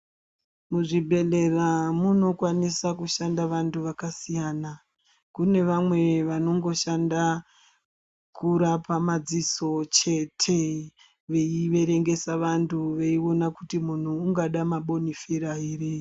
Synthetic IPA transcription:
muʐibʱe̞le̞ramuno̞kwanisakuʃandaʋantʰuʋakasijaːna | kune̞ʋamwe̞ʋano̞ŋɡo̞ʃanda | kʰuɾapamad͡ziso̞t͡ʃe̞tʰe̞ | ʋe̞iʋe̞ɾe̞ŋɡe̞saʋantʰuʋe̞io̞nakutimun̤uːŋɡaɗamaɓo̞nifeɾaɦire

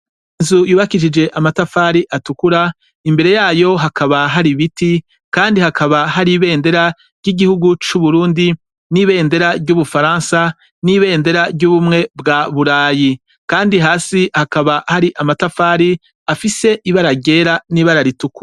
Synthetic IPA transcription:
inzujuːβakiʃ̬id͡ʒe̞ʔamatafaːɾiʔatukuɾa | imbe̞ɾe̞jaːjo̞ɦakʰaβaɦaɾiβiti | kaːndihakaβahaɾiβe̞ːnde̞ɾa | ɾɟiɡihuɡut͡ʃuβuɾuːndi | niβe̞ːnde̞ɾaɾɟuβufaɾaːnsa | niβeːnde̞ɾabɟuβumŋe̞bɡaβuɾaːji | kaːndiɦaːsihakaβahaɾiʔamatafaːɾi | afise̞ʔiβaɾaɟe̞ːɾaniβaɾaɾituku̥

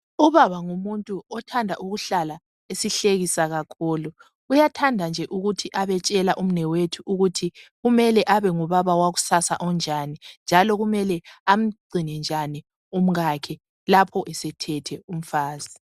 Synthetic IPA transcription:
uβaβaŋumuntʼuɔtʰandʱaʔuɣuɬala | esiɬeɣisaɣakʰuːlu | ujatʰandʱand͡ʒʱɛʔuɣutʰiʔaβɛt͡ʃʼɛlaʔum̩nɛwetʰuuɣutʰiɣumɛlɛʔaβɛŋuβaβawaɣu̥sasaʔɔnd͡ʒʱanind͡ʒʱalɔɣumɛlɛam̩ɡ͡ǀʱinɛnd͡ʒʱani | um̩ɣakʰɛ | lapʰɔʔɛsɛtʰɛtʰɛum̩faːzi

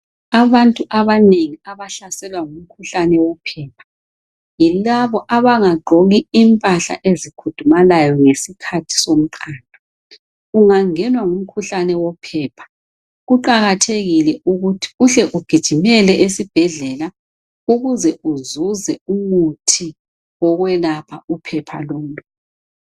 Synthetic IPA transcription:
aβantʼuʔaβaneŋiaβaɬasɛlwaŋum̩kʰuɬanɛwɔpʰɛːpʰḁ | jilaβɔʔaβaŋaɡ͡ǃʱoɣiimpʼaɬa̰ʔezikʰud̥ʱumalajɔŋesikʰatʰi̥som̩ǃʰaːndʱɔ | uŋaŋɛnwaŋum̩kʰuɬanɛwɔpʰɛːpʰḁ | ɣuǃaɣatʰeɣilɛʔuɣutʰi̥uɬɛʔuɡ̥ʱid̥ʒ̥ʱimɛlɛʔesib̥ʱɛɮɛla | uɣuzɛuzuzɛumutʰi | ɔɣwɛlapʰaupʰɛpʰa̰lom̩lʼɔ

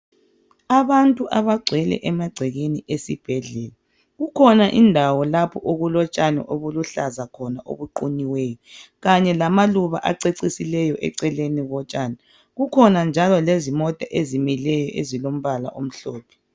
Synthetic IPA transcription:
aβantʼuʔaβaɡ͡ǀʱwɛlɛ̰ʔɛmaɡ͡ǀʱɛɣeniʔesib̥ʱɛɮɛla | ɣukʰɔnaʔindʱawɔlapʰɔʔoɣulɔt͡ʃʼanɛ̰ʔoβuluɬazakʰɔnaʔo̰βuǃuniwɛːjɔɣaɲɛlamaluβa̰ʔaǀeǀisilɛjɔʔɛ̰ǀɛleniɣɔt͡ʃʼaːnɛ | ɣukʰɔnand͡ʒʱalɔlezimɔtʼaʔezimilɛjɔʔezilom̩βala̰ʔom̩ɬɔːpʰɛ̥

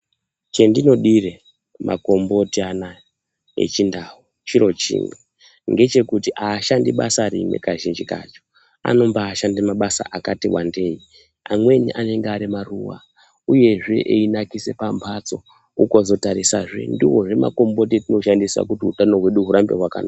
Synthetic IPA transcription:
t͡ʃe̞ndino̞ɗire | mʔa̰ko̞mbo̞tiana | e̞̰t͡ʃindaɦu | t͡ʃiɾo̞t͡ʃḭːŋi | ŋɡe̞t͡ʃe̞kutiʔaːʃandiɓasaɾḭmwe̞̰kaʒind͡ʒika̰t͡ʃo̥ | a̰no̞mbaːʃandimaɓasa̰ʔakatiwa̰nde̞ːi | amwe̞niʔane̞ŋɡeaɾimaruwa̰ | uje̞ʐe̞ʔeinakise̞pampʰat͡so̞ | uko̞zo̞taɾisa̰ʐḛndiwo̞ʐe̞ma̰ko̞mbo̞t̬itino̞ʃandiswa̰kutiutano̞ɦweɗuɦuɾambeɦwaka̰na

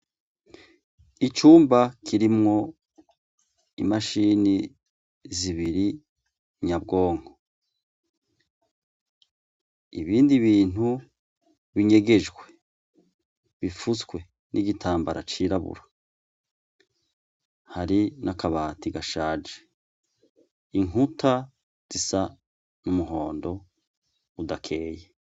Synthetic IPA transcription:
it͡ʃuːmbakʰiɾimŋo̞ | ḭmaʃini | ziβiɾi | ɲabɡo̞ːŋho | iβiːndiβiːn̥hu | βiɲe̞ɡe̞d͡ʒɡwe̞ | βifusɡwe̞ | nʔiɟitʰaːmbaɾʔa̰t͡ʃiɾaβṵɾa | haɾinʔakaβaːtiɡaʃaːd͡ʒe̥ | iŋutʰa | z̥isa | numuɦo̞ːndo̞ | udakʰe̞ːje

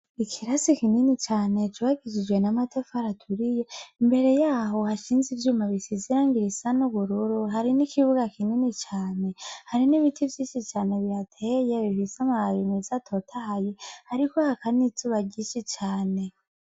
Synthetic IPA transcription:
ikʰiɾasikininit͡ʃaːne̞t͡ʃuβaɡid͡ʒid͡ʒwe̞namatofhaɾatʰuɾije̞imbe̞ɾe̞jaːɦo̞haʃiːnzivjuːmaβisiziɾaːŋɡiɾisanuβuɾuɾuɦaɾinikʰiβuɡakininit͡ʃaːne̞haɾiniβitʰivjiːnʃit͡ʃaːne̞βiɾatʰeje̞βiβisamaβaɾimizatʰo̞tʰahajehaɾikohakanit͡suβaɟiːnʃit͡ʃaːne̞

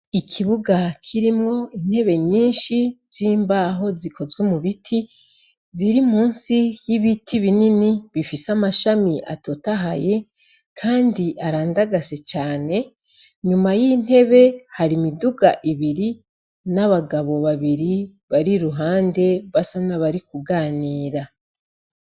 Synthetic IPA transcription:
ikʰiβuɡakʰiɾimŋo̞in̥he̞βe̞ɲiːnʃiz̥iːmbaːɦo̞zikʰo̞zwe̞muβitʰi | ziɾimuːnsijiβitʰiβininiβifisamaʃamiʔa̰tʰo̞taɦaje̞ | kʰaːndiʔaɾaːndaɡaset͡ʃaːne̞ | ɲumajin̥he̞βe̞haɾimiduɡa̰ʔiβiɾi | naβaɡaβo̞βaβiɾi | βaɾiɾuɦaːnde̞βasanaβaɾikuɡaːniːɾa

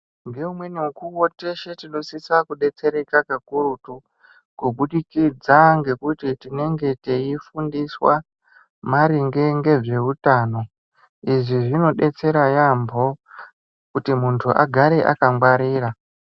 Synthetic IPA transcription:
ŋɡe̞umwe̞niukuwote̞ʃe̞tino̞sisakuɗe̞t͡se̞ɾe̞kakakuɾutu | kuɓuɗikid͡zaŋɡe̞kutitine̞ŋɡe̞teifundiswa | maɾiŋɡe̞ŋɡe̞ʐe̞utaːno̞ | iʐiʐino̞ɗe̞t͡se̞ɾajambʱo̞ | kutimuntʰuʔa̰ɡʱaɾe̞ʔa̰kaŋɡwaɾiːra

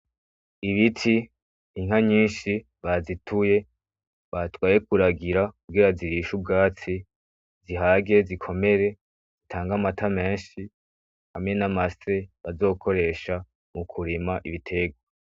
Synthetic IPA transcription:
iβitʰiː | ŋ̥haɲiːnʃi | βazitʰuje̞ | βatwaːje̞k̚uɾaɡiɾakuɡiɾaziɾiʃubɡaːt͡si | ziɦaɡe̞zikʰo̞me̞ɾe̞ | z̥itʰaːŋɡamatʰame̞ːnʃi | hamŋe̞namaseβazo̞ːkʰo̞ɾe̞ʃa | mukʰuɾimaʔiβitʰe̞ɡwa

